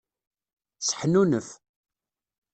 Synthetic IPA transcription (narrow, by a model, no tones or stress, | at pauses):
sə̥ħnunəf